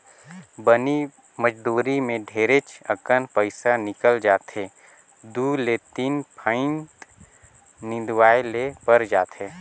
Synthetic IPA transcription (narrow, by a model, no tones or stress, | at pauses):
bəni | məd͡ʒd̪uːɾimẽɖʱeːɾet͡ʃəkənpəɪsanɪkəld͡ʒaːt̪ɦeː | d̪ulet̪iːnpʰãɪnt̪ | nɪ̃d̪waːelepəɾd͡ʒaːt̪ɦeː